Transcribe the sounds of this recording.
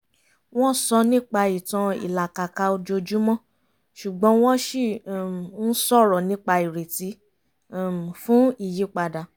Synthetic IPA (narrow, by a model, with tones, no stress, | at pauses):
w̃ɔ̃˦sɔ˧nĩ˦k͡pa˧i˨tɔ̃˧ḭ˨la˨ka˨ka˨˧o˧d͡ʒo˧d͡ʒu˦mɔ̃˦˨ | ʃu˨ɡ͡bɔ̃˨˦w̃ɔ̃˦ʃi˦˨n̩˦sɔ˦˨ɾɔ˨nĩ˦k͡pa˧i˨ɾe˨ti˨˦˨ | fũ˨˦i˦˨ji˨˦k͡pa˧da˨